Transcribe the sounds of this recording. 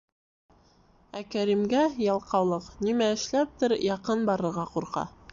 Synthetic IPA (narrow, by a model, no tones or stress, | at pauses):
ækæɾimɡæjɑlˠqɑwlˠɤqnimæɘ̆ʃlæp̚t̪ɘɾjɑqɤnbɑɾɤ̆ɾʁɑquɾqɑ̰